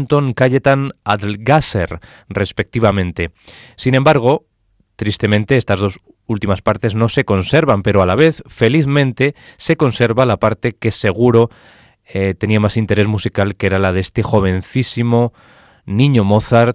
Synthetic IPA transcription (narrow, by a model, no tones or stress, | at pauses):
nt̪o̞ŋkaʎet̪ana̰ðlɡaseɾ | re̞spe̞k̚t̪iβ̞amẽ̞nt̪e̞sinembaɾɣ̞o̞ | t̪ɾist̪e̞mẽ̞nt̪e̞est̪azð̞o̞s | ult̪imaspaɾt̪e̞zno̞se̞ko̞nse̞ɾβampe̞ɾo̞alaβ̞e̞θfe̞liθmẽnt̪e̞se̞ko̞nse̞ɾβalapaɾt̪e̞ke̞se̞ɣ̞uɾo̞ | et̪e̞niamasint̪e̞ɾe̞zmusikalkee̞ɾalað̞eest̪e̞xo̞β̞e̞nθisimo̞ | nĩɲomo̞θaɾ